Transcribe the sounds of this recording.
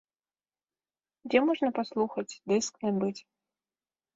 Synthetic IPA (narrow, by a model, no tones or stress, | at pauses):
d͡zʲɛmɔʐnɐpaslˠuxɐt͡sʲd̪ɨsknʲɛbɨt͡sʲ